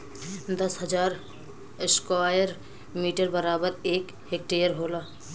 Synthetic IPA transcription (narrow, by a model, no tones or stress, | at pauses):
d̪ɐsɦəd͡ʒaːɾ | ɪskwaːjəɾ | miːʈəɾbəɾaːbəɾeːk | ɦek̚ʈejəɾɦoːlaː